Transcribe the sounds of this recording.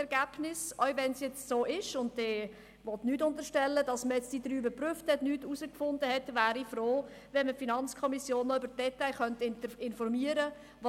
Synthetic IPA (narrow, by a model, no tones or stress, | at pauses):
ɛɾɡ̥æb̥nɪsœʏvɛnsjɛt͡ssoːʔɪʃʊntdɛː | vɔtnyːtʊntəɾʃtɛlːədɑsməjɛt͡std̥id̥ɾyːbəpɾyfthɛtnyːtusəkfʊndəhɛtvæːɾifɾoː | vɛnməfinɑnt͡skʰɔmisjoːnːɔʏbəɾt̚d̥ɛtaɪχœntɪnfɔɾmiəɾə | vɑ